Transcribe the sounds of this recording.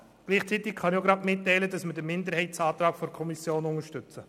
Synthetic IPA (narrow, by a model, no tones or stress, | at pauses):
ɡ̥liːχt͡sit̪ɪkχɑnɪoɡɾɑdmɪtːɛɪləd̥ɑsmədəmɪndəɾhɛɪtt͡sɑːt̪ɾɑːkfɔɾkʰɔmisjoːnʊŋəʃtʏt͡sə